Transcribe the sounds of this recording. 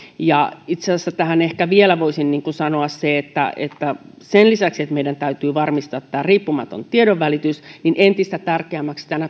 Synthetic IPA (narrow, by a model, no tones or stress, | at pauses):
jɑit̪seɑsːæt̪æhænehkæʋielæʋoisinniːŋkusɑnoɑsseet̪ːæ̰ḛt̪ːæ | senlisæksiet̪meijdænt̪æyt̪yːʋɑrmist̪ɑːt̪ːæːriːpːumɑt̪ont̪ieɾoʋːælit̪ysninʔent̪ist̪æt̪ærkeæmːækst̪ænæ